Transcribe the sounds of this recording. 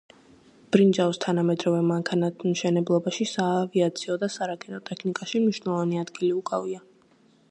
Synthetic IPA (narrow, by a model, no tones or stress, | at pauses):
b̥ɾind͡ʒavst̪ʰanamɛd̪ɾɔvɛmaŋkʰanat̪ʰmʃɛnɛblˠɔbaʃisaːviat̪sʰiɔd̪asaɾakʼɛnɔt̪ʼɛkʰnikʼaʃimniʃwnɛlˠɔvaniad̪ɡiliukʼa̰via